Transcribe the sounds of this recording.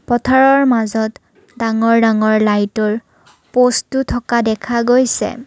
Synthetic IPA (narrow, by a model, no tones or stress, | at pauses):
pɔtʰaɹɔɹmazɔt | daŋɔɹdaŋɔɹlajtɔɹ | postutʰɔkadɛkʰaɡojsɛ̰